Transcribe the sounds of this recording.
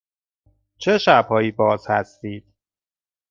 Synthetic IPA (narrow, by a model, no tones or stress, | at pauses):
t͡ʃʰe̞ʃæb̥hɒːjiːbɒːz̥hæst̪iːd̪̥